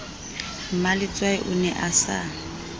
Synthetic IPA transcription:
malɪt͡sʼwaɪʔʊnɛʔasa̰

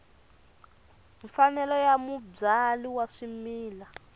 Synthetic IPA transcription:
ɱfanɛlɔjamub͡ʐaliwaʂimiːla

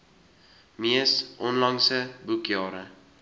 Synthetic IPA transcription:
miəsʔɔnlɑŋsəbukjɑːɾə

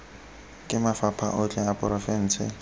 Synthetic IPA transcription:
kʼɪmafapʰa̰ʔʊt͡ɬʼɛapʼʊɾafɛn̩ːt͡sʰɪ̰

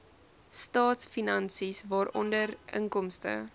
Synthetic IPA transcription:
stɑːtsfinɐnsisvɑːɾɔ̰ndərə̰ŋkɔmstə̰

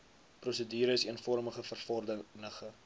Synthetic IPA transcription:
prosədiːɾəsiənfɔrməχəfərfɔrdənəχə

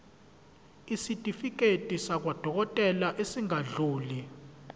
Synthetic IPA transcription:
isitʼifik̬ʼetʼisak̬wad̥ʱɔk̬ɔtʼɛlaʔesiŋaɮuːli

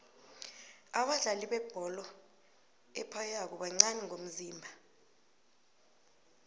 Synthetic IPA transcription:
aɓaɮaliɓɛb̥ʱɔlɔ | ɛ̰pʰajak̬ɔɓaŋ͡ǀanɛŋʱom̩ziːmbʱa

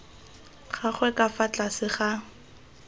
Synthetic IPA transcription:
χaχwɛkafat͡ɬasɪχa

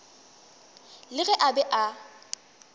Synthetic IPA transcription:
lɪɣɛʔabɛʔa

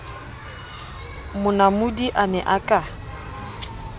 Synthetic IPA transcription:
mʊnamʊdiʔanɛ̰ʔakʼa

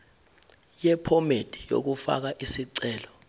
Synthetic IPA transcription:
jɛpʰɔmed̥ʱʼi̥jo̰k̬ufa̰k̬aʔisiǀɛːlɔ

